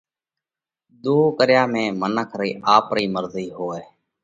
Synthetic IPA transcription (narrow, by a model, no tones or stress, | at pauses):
d̪oːkəɾjaːmẽːmənəkʰɾiːʔaːpɾiːməɾziːɦoːeː